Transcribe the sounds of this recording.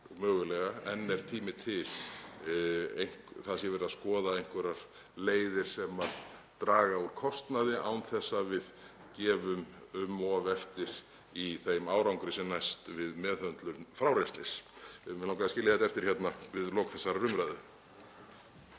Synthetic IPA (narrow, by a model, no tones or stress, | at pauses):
mœːɣʏlɛɣaɛnːɛɾ̥t̪ʰiːmɪt̪ʰɪl | ejŋ̥kθaðsjɛvɛɾɪðaðskɔːðaejŋ̥kvɛɾaɾ̥ | leːjðɪɾ̥sɛmaðt̪ɾaːɣauɾ̥kʰɔst̪naðɪʔawnθɛsːavɪð | cɛːvʏmʏmːɔvɛft̪ɪɾ̥ | iθejmaːwɾawŋkɾɪsɛmnajst̪vɪðmɛːðœnt̪lʏmfɾawɾɛslɪsmɛawŋkaðascɪljahɛt̪aɛft̪ɪɾ̥çjɛt̪navɪðlɔːkθɛsːaɾrʏmvɾajðʏ